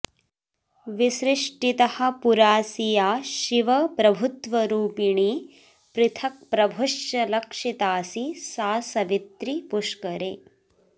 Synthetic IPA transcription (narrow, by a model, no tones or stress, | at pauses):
ʋiʃɾiʂʈit̪ɐhɐ̆puɾaːsijaːʃiʋɐpɾɐbʱut̪ʋɐɾuːpiɳi | pɾɪt̪ʰɐk̚pɾɐbʱuʂjɐlɐkʂit̪aːsisaːsɐʋit̪ɾipuʂkɐɾeː